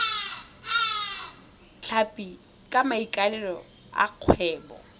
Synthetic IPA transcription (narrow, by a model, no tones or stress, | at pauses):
ɬʰapʼi | kʼamaikʼalɛlɔ | a̰q͡χʰwɛːbɔ̰